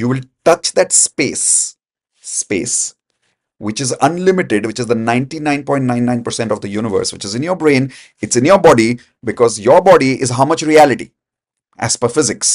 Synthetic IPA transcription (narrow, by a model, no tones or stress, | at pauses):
juːʋɪlʈʌt͡ʃd̪æʈspeːsː | pḛːs | ʋɪt͡ʃɪzʌ̃nlɪmɪʈɪɖʋɪt͡ʃɪzd̪ənãɪ̃nʈinãɪ̃npɔ̃ɪ̃ʈnãɪ̃nːãɪ̃npəɾsɛ̃ɳʈɔvd̪əjuːnɪʋə̰ːɾsʋɪt͡ʃɪzɪ̃njəːɾbɾẽn | ɪʈsɪ̃njəːɾbɔɖi | bɪkɔːzjɔɾbɔːɖiʔɪzɦaʊmʌt͡ʃɾiælɪʈḭ | ʔæ̰spəfɪzɪks